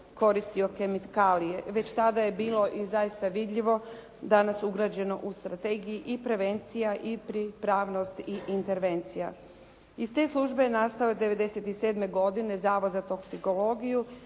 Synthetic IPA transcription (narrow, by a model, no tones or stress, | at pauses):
ko̞ɾist̪io̞ke̞mit̪kalijeʋe̞t͡ɕt̪ad̪ajebiːlˠo̞ʔizajist̪aʋid̪ʎʲiʋo̞ | d̪anasuɡɾaːd͡ʑe̞no̞ʔust̪ɾat̪e̞ːɡijiʔipɾe̞ʋe̞nt̪sijaʔipɾipɾaːʋno̞st̪iʔint̪e̞ɾʋe̞nt̪sija̰ | ist̪e̞ːslˠuʒbe̞nast̪ajod̪e̞ʋe̞d̪e̞se̞t̪iseːd̪me̞ɡo̞d̪ine̞zaːʋozat̪o̞ksiko̞lo̞ːɡiju